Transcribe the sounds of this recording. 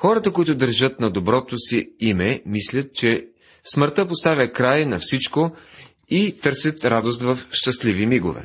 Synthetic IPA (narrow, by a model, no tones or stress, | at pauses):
xɔɾət̪əkoit̪ʊd̪əɾʒət̪nɐd̪obɾɔt̪osiimɛmislʲət̪̚t͡ʃɛ | sməɾt̪əpost̪avʲəkɾajnɐfsit͡ʃko | it̪ɤɾsʲjət̪ɾad̪ost̪vɐfʃt̪ɐslivimiɡo̰vɛ̰